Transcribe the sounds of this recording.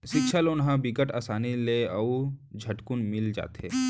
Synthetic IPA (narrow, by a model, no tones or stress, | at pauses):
ʃɪkʃʰəlʊnɦãbikəʈaːsaːnileɐud͡ʒʱɐʈkunmɪld͡ʒa̰ːt̪ɦḛː